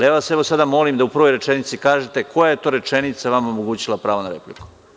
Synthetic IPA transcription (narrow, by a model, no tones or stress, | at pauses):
lieʋase̞ʋo̞sad̪amo̞limd̪aupr̩ʋo̞jɾet͡ʃenit̪sikaːʒet̪e̞ko̞jaje̞t̪o̞ːɾe̞t͡ʃe̞nit̪saʋamomoɡuːt͡ɕilˠapɾaːʋonaɾḛpliku̥